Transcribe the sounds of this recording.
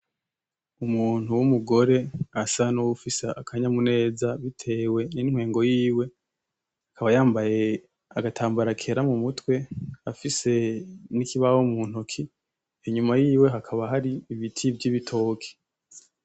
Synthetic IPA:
umuːn̥huwumuɡo̞ɾe̞asanowufiseakʰaɲamune̞ːzaβitʰe̞ːwe̞niŋ̥weːŋɡo̞jiːwe̞ | hakaβajaːmbaje̞ | aɡatʰaːmbaɾakʰe̞ɾamumutwe̞afise̞nikiβawomuːn̥okʰi | iɲumajiːwe̞ɦakʰaβaɦaɾiːβitʰibjiβitʰo̞ːkʰe̥

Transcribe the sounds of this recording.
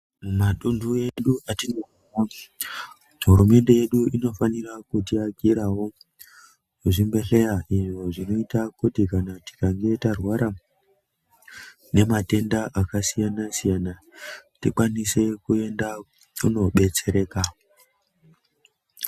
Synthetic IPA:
maɗundueɗuʔatino | a | ɦuɾume̞nde̞je̞ɗuino̞fanirakutiakiɾawo̞ | uʐimbe̞ɬe̞jaʔiʐo̞ʐino̞itakutikanati̥kaŋɡe̞tarwaɾa | ne̞mate̞ndaʔakasijanasijana | tikwanise̞kue̞nda | uno̞ɓe̞t͡se̞ɾe̞ka

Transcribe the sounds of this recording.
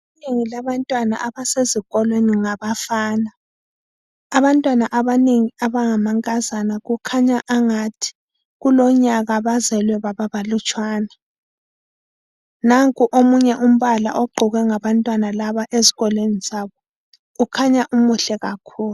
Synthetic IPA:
ineŋilaβantʼwana̰ʔaβaseziɣɔlweniŋaβafaːna | βantʼwanaʔaβaneŋiaβaŋamaŋkʼazanaɣukʰaɲaʔaŋatʰi̥ | ɣulɔɲaɣaβazɛlwɛβaβaβalut͡ʃʼwaːna | naŋkʼuʔomuɲɛʔum̩βala̰ʔɔɡ͡ǃʱuɣɛŋaβantʼwanalaβaʔeziɣɔlweniz̥aβɔ | ukʰaɲaʔumuɬɛɣakʰuːlu

